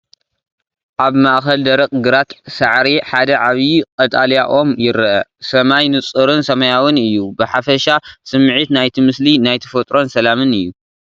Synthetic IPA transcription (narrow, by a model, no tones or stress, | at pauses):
ʔaβmaʔxɐld̪ɐɾɐkʼɡɨɾat̪saʕɾiħad̪ɐʕaβjkʼɐt̪ʼaljaʔo̞mjɪɾʔɐsɐmajnɨt͡sʼɨɾɨnsɐmɐjawɨnɨjːubɨħafɐʃasɨmʕit̪najt̪ʰimɨslinajt̪ʰɨ̥fɐt̪ʼɾo̞nsɐlamɨnɨjːu